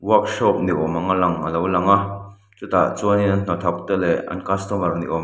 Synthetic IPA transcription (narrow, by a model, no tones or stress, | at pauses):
wɔk̚ʃɔp̚niʔɔmaŋalaŋɐlowlaŋa | t͡sut̪aʔt͡suɐniɐnn̥ɔt̪ʰɐk̚t̪ɛlɛʔɐ̰nkast̪ɔmɐrnḭʔɔm